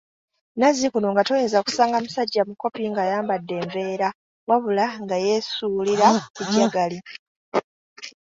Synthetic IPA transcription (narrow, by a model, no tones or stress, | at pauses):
nazikuno̞ŋɡatojeːnzaku̥saːŋɡamusaɟːamuko̞piŋɡajaːmbadːe̞ːɱve̞ːɾa | waβulaŋɡaje̞suːliɾakuɟːaɡali